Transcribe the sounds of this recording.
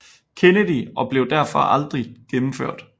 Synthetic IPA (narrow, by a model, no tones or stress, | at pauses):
kʰenəd̥iɒ̽b̥le̝ʊd̥æɐ̰fɒ̽ʔɑld̥ʁiɡ̥emm̩føɐ̰d̥